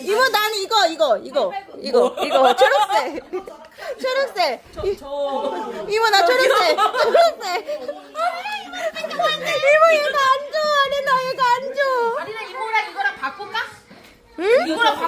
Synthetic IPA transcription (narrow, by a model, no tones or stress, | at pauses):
imʌnaniɡʌiɡʌiɡʌiɡʌiɡʌt͡ɕʰoɾʌs͈e | t͡ɕʰʌɾʌs͈e | i | imʌnat͡ɕʰʌɾʌs͈et͡ɕʰoɾʌs͈e | imojeɡaand͡ʑoaninajeɡand͡ʑo | ak͈oka | ɯ